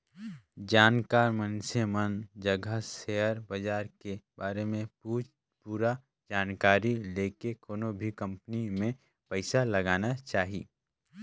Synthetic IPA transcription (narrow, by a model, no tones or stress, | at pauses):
d͡ʒaːnkaːɾmənsemənd͡ʒəɡʱəseːəɾbəd͡ʒaːɾkebaːɾemẽu | puːɾa | d͡ʒaːnkaːɾileːkekoːnobʱikə̃mpnimẽ | pəɪsalɐɡaːnat͡ʃaːɦḭː